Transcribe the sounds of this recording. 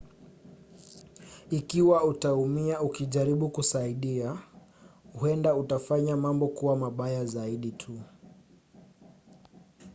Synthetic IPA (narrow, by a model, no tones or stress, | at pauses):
ikiwautaumiaukiʄaɾiɓukusaiɗia | huɛndautafaɲamambɔkuwamaɓajazaiɗitʰu